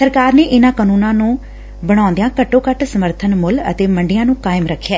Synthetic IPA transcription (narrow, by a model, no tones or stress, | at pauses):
səɾkaːɾneːʔɪnãːkəːnuːnãːnũː | bəɽ̃ãːnd̪ɪjãːkəʈːõːkəʈsəməɾt̪ʰənmʊlə̰t̪eːməɳɖɪjãːnũːkaːɪmɾəkʰːjaː